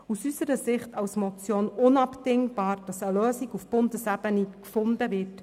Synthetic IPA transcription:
usysəɾəsɪχtɑwsmɔt͡sjoːnʊnɑpdɪŋb̥ɑːɾd̥ɑsəløːsiɡufb̥ʊndəsæbənikfʊndəvɪrt

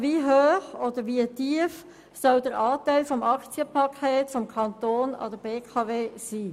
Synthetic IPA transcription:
viɦøːχod̥əɾʋiətiəf | sœldəɾʔɑːtæɪlfɔmɑkt͡siəpʰɑkʰeːtfɔmkʰɑnt̪oːnɑ̰d̥əb̥eːkʰɑveːsiː

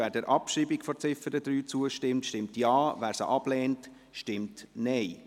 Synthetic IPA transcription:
æːɾdɛɾʔɑpʃiːbikfɔt͡sɪfəɾəd̥ɾyːt͡suəʃtɪmtʃtɪmtjɑːvæːɾsə̰ʔɑb̥lɛːnt | ʃtɪmtnɛɪ

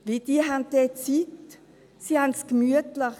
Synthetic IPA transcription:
ʋid̪iːɦant̪et͡sit̪ | sianskmyət̪lɑ

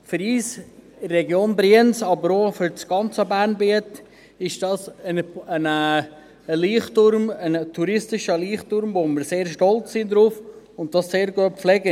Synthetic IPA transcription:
fʏɾiːs | rɛɡjoːnbɾiənsɑbəɾoːfʏɾt͡sɡ̥ɑnt͡səbæːɾnbiət | ɪʃd̥ɑsənənə | əliːχtʊɾməntʰuɾɪstɪʃəliːχtʊɾmvomɪɾseːɾʃtɔlt͡ssɪnd̪ɾuːf | ʊnt̚d̥ɑsːeːɾɡuəflɛɡə

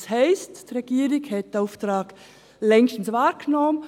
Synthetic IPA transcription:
shɛɪstd̥ɾeɡ̥iːɾɪɡhɛt̚d̥aʊftɾɑːɡ | lɛŋʃtn̩svaːɾɡnɔmən

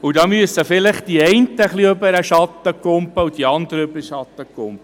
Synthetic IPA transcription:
ud̪ɑːmyəsəfɪlɪχd̥̪iɛɪnt̪əχliøbəɾəʃɑt̪ːəkʊmpəud̥̪iɑnd̪əɾəøbəɾʃɑt̪ːəkːʊmpə

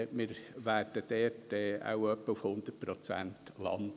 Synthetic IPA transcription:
mɪːɾvæːrd̥əd̥ɛrtɛa̰ʊwœpːəufhʊnd̪ət̚pɾɔt͡sæ̰ntlɑ̰nd

